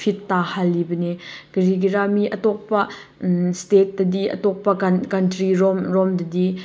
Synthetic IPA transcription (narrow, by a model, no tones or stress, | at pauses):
pʰitːahalːibɐnekɐɾiɡiɾamiʔɐtɔk̚pɐ | stet̚dɐdiʔɐ̰tɔk̚pɐkɐntɾiɾɔmɾɔmdɐdi